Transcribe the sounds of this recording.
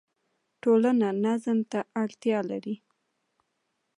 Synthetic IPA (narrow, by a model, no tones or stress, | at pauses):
ʈolananazəmt̪aʔaɽt̪jɑlaɾi